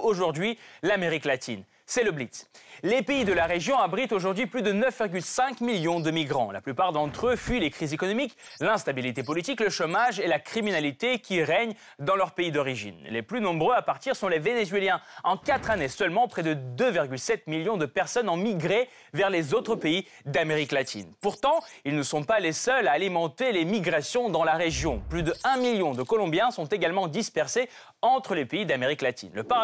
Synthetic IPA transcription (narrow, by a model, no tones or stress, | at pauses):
oʒuʁd̪ɥilameʁiklat̪ʰḭn | sɛləblit̪slepeid̪əlaʁeʒjɔ̃abʁit̪oʒuʁd̪ɥiplyd̪ənœfviʁɡʲylsɛ̃kmiljɔ̃d̪əmiɡʁɑ̰̃la̰plypaʁd̪ɑ̃t̪χøfɥilekχizekɔnɔmik | lɛ̃st̪abilit̪epɔlit̪ikləʃomaʒelakχiminalit̪ekʲiʁɛɲ | d̪ɑ̃lœʁpeid̪ɔʁiʒḭnleplynɔ̃bʁøapaʁt̪iʁsɔ̃levenezɥeljɛ̃ɑ̃kat̪χanesœlmɑ̃pχɛd̪əd̪øviʁɡʲylsɛt̪miljɔ̃d̪əpɛʁsɔnɑ̃miɡʁe | vɛʁlezot̪χəpei | d̪ameʁiklat̪ʰḭnpuʁt̪ɑ̃ilnəsɔ̃palesœlaːlimɑ̃t̪elemiɡʁasjɔ̃d̪ɑ̃laʁeʒjɔ̃plyd̪əɛ̃miljɔ̃d̪əkɔlɔ̃bjɛ̃sɔ̃t̪eɡalmɑ̃d̪ispɛʁse | ɑ̃t̪χəlepeid̪ameʁiklat̪ḭnləpa